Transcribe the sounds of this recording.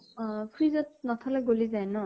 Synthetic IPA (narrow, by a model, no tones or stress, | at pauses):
pʰɹizɔt̚nɔt̪ʰalɛɡolizajnɔ